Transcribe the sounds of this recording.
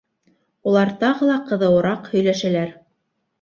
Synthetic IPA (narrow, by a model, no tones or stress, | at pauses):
ulˠɑɾt̪ɑʁɤ̆lˠɑqɤ̆ðɤ̆wɤ̆ɾɑqhɵ̆jlæʃælæɾ